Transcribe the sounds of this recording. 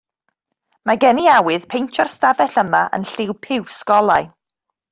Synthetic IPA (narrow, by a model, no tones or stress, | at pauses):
maɡɛniawɨð̥pʰejnt͡ʃʰar̥stavɛɬəmaʔə̰nɬɪwpʰɪwskɔlˠaj